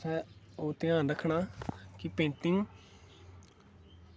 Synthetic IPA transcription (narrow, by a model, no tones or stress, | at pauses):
sɛː | oːt̪ɪãːɾəkʰɳaːkɪpẽːɳʈɪŋɡ